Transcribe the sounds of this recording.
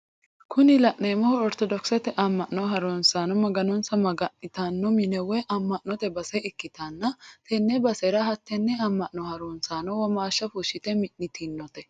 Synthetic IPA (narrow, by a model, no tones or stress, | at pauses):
kʰʊnɪlɐʔnejmɔhɔɔɾt̪ɔd̪ɔksɛt̪ɛʔɐmːɐʔnɔɦɐɾonsaːnɔmɐɡɐnɔnsɐmɐɡɐnɪt̪ɐnːɔmɪnɛwɛʔɐmːɐʔnɔt̪ɛbɐsɛɪkːɪt̪ɐnːɐt̪ʰɛnːɛbɐsɛɾɐɦɐt̪ːɛnːɛɐmːɐʔnɔhɐɾoːnsaːnɔwɔmaːʃːɐfuʃːɪt̪ɛmɪnːɪt̪ʰinːɔt̪ɛ